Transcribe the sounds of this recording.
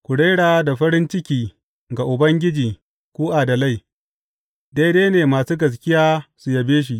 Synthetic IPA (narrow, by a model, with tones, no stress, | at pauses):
kʷʊ˨ɽeː˦ɽaː˨˦da˨ɸɐ˦ɾɪ˦nt͡ʃɪ˦kʲiː˨ | ɡa˨ʔʊ˨bɐ˦ŋɡʲɪ˦d͡ʒiː˨ | kʷuː˦ʔaː˨da˨la˦˨j | deː˦deː˦neː˨maː˨suː˦ɡɐ˨s̬kʲɪ˦jaː˦su˨jɐ˨beː˦ʃ̬i˨ʔ